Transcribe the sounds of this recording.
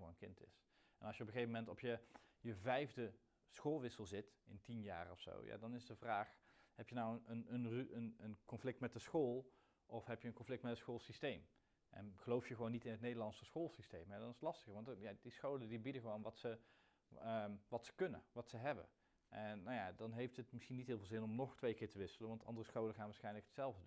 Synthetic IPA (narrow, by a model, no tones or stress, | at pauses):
o̰nənkɪntɪ̰s | ɛnɑlˠsjəɔpəχejvəmɛntɔpʰjəjəvɛjvdə | sχoːlˠʋɪsəlˠzɪtɪntinja̰ːrɔfso̰wja̰ːdɑnɪsdəvraːχhɛpjənawənənənrʔənənkɔnflɪk̚tmɛt̚dəsχoːlˠ | ʔɔfɦɛpjənkɔnflɪktmɛtəsχolˠsistejm | ʔɛ̰nχəlowfjəχəʋownːitɪnətnejdəɹlɑnsəsχoːlˠsistejmɛdɑnɪsətlɑstəχəɹʋɑntjadisχowlədibidəχəʋownʋɑtsə | əʋɑtsə̥kɵnə̰ʋɑtsəɦɛbə̰n | ʔɛnnawjadɑnɦejftətmɪsxinːit̚ɦɪːlˠvɪːlˠzɪnɔmnɔχtʋejkɪːɹtəʋɪsələnʋɑntɑ̰ndərəsχowləχaːnʋaːɹsχɛjnləkətsɛlˠvdədun